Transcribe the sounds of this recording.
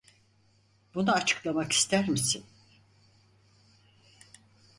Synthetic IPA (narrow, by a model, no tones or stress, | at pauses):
bunaːt͡ʃʰɯ̥klˠamaki̥st̪ʰæɾmisin